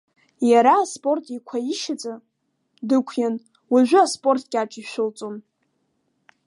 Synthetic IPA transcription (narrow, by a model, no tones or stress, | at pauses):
jaɾaːspʼo̞rtʼikʷʰaiʃat͡sʼa | dɨkʷʰjan | waʒᶣʷʊaspʼo̞rtʼɡʲaʈ͡ʂʼiʃʷᶣʊlt͡sʼon